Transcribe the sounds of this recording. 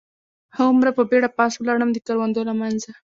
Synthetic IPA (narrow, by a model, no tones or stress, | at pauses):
həʊmɾapəbeɽapɑswlɑɽəmd̪əkaɾwand̪olamanza